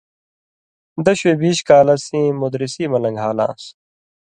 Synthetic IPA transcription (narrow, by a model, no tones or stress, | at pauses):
d̪ɐɕweːbiːɕkaːlɐsĩːmud̪ɾisiːmɐlɐ̃ŋɡʱaːlã̰ːs